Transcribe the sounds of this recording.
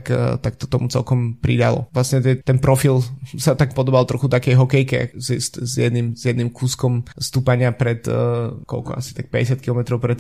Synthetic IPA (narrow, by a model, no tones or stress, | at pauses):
kt̪ak̚t̪ɔ̥t̪ɔmut͡sɛ̰lkɔmpɾḭd̪alɔ̰ʋlasɲɛt̪ɛt̪ɛnpɾɔfilsat̪ak̚pɔd̪ɔbalˠt̪ɾɔxut̪akɛjɦɔkɛjkɛa̰zist̪zjɛd̪nimzjɛd̪nimkuːskɔmst̪uːpaɲɪapɾɛt̪kɔ̰lkɔ̰a̰si̥t̪ak̚pɛɟɛsɪat̪̚kilɔmɛt̪ɾɔʊpɾɛt̪